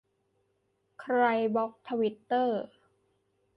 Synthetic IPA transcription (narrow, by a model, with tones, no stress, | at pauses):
kʰɾa˧jbɔ˦˥k̚t̪ʰa˧wi˦˥t̪ːɤː˥˩